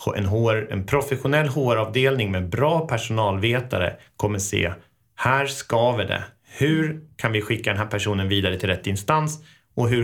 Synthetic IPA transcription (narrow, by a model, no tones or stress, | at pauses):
hɛ̰nɦoɛ̰npʰɾʊfɛɧʊnɛlːɦoːɾɑːvd̪eːlnɪŋmɛːbɾɑːpʰæʂʊnɑːlveːt̪a̰ɾə̰ | kʰɔmːəsḛː | hæːɾskɑːvɪd̪ɛ̰ | hɵɾkʰanvɪɧɪkːad̪ɛnɦæːɾpʰæʂuːnənviːd̪aɾət̪ʰɪlɾɛt̪ːɪnst̪ans | ɔɦɵ